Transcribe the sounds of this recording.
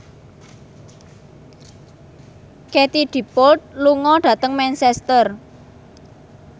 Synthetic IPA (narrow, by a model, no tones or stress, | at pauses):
ket̪iɖ̪̥i̤pʊt̪̚luŋɔɖ̥ä̤t̪əŋmɛnsɛst̪ər